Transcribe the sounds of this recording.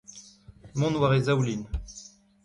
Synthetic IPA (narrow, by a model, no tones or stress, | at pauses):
mɔ̃nwaʁezawlin